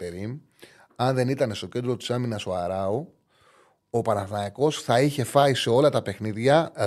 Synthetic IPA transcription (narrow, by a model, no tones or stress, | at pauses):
eɾim | ɐnðe̞nit̪ɐne̞st̪o̞ce̞nd̪ɾo̞t̪i̥sɐminɐso̞ɐɾɐo | o̞pɐnɐθnɐiko̞sθɐiçe̞fɐise̞o̞lɐt̪ɐpe̞xniðʝɐ